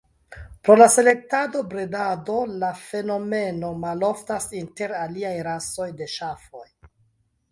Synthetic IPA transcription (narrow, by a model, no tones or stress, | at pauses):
pɾo̞lase̞le̞k̚tado̞bɾedado̞lafe̞no̞me̞no̞malo̞ftasinte̞ɾaliajɾaso̞jde̞ʃafo̞̰j